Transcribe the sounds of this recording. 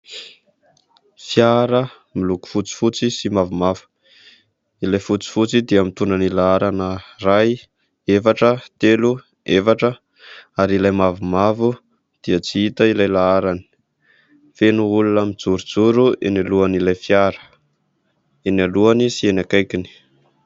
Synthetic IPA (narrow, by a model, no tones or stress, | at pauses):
fjaɾə | miluku̥fut͡si̥fut͡sisimavumavu̥ | ilajfut͡si̥fut͡sid̪iamit̪unanilaaɾanəraj | efaʈ͡ʂət̪elu | efaʈ͡ʂə | aɾilajmavumavu | d̪̥iət͡siit̪əilajlaaɾani̥ | fenuulunamid͡zuɾud͡zuɾuenaluanilajfjaɾə̥ | enaluanisienakajkini̥